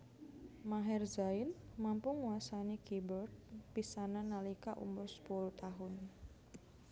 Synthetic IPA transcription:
maɦɛrzaɪnmampʊŋwasanikibərt̪̚pisananalikaʔṵmʊrsə̥puluht̪aɦʊn

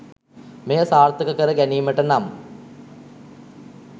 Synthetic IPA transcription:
mejəsaːrt̪ːəkəkəɾəɡæniːməʈənam

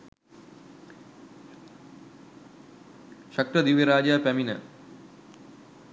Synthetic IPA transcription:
ʃak̚ʈrəd̪iʋjeɾaːd͡ʒaːpæminə̰

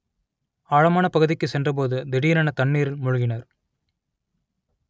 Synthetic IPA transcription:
aːɻɐmaːnɐpɐɣɯðɪkːɯsɛndrɐp̬oːðɯd̪ɪɽɪjɐnaːnɐt̪ɐɳːiːɾɪlmʊɻʊɣɪnɐɾ

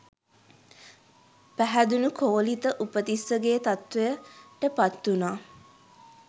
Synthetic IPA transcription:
pæɦæd̪unukʰoːlit̪əʔupət̪isːəɡeːt̪at̪ʋejəʈəpat̪ːunaː

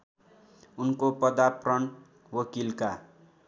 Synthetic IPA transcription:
unkopʌd̪aprʌn | wʌkilka̰

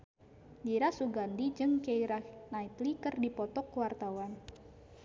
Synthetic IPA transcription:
d͡ʒiɾasuɡandid͡ʒɨŋkeiɾanait̪likɨrdipɔt̪ɔkːuwart̪awan

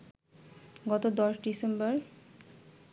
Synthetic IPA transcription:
ɡɔt̪od̪ɔʃɖisembɔɾ

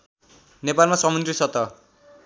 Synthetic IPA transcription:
nepalmaswʌmʌ̃nt̪risʌt̪ʌ

